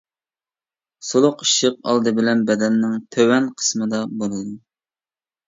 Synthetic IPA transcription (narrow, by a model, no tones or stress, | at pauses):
solˠʊqiʃəq̚ɑ̰lˠd̪ɨbɪlɛnbɛd̪ɛnːɪŋt̪ʰøwɛnqʰə̥smɨd̪ɑbolˠɨd̪u